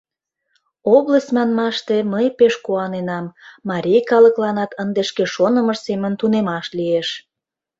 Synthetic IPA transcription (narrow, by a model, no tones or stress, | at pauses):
oβləsʲmɑnmɑʃt̪eməjpeʃkuɑnenɑmːɑɾʲijkɑləklɑnɑt̪ənd̪eʃkeʃonəməʃsemənt̪unemɑʃlieʃ